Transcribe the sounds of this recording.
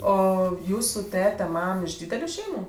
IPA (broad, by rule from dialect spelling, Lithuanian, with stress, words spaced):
ˈoː ˈjuːsʊ ˈtʲæːtʲɛ ˈmɐm ɪʃ ˈdʲiːdʲɛlʲʊ ˈʃʲɛɪmʊ